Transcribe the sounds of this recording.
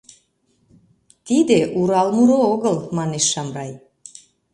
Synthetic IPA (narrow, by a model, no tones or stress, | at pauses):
t̪id̪eʔuɾɑlmuɾooɣəlmɑneʃːɑmrɑj